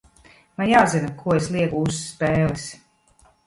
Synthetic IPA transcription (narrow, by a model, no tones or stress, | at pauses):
manjawzinakʰuɔeslˠiɛkusːpeːlˠis